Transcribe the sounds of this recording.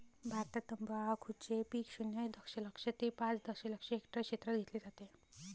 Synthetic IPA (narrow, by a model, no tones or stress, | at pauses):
bʱaɾt̪ət̪əmbakʰut͡ɕepiːkɕunjəjd̪əkʂələkʂət̪epat͡sd̪əʃeləkʂeekʈɾəkɕʰet̪ɾəɡʱet̪led͡zat̪e